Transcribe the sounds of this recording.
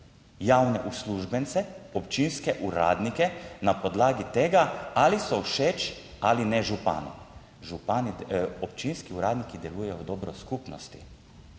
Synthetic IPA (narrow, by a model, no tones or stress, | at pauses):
jawnɛʔusluʒbɛnt̪sɛɔpt͡ʃinskɛʔuɾa̰ːd̪nikɛnapɔd̪laːɡit̪eːɡaalisɔwʃeːt͡ʃ | alinɛʒupa̰ːnɛ̰ | ʒupanɔp̚t͡ʃinskiuɾaːd̪nikid̪ɛluːjɛjɔwd̪ɔːbɾɔskuːpnɔst̪i̥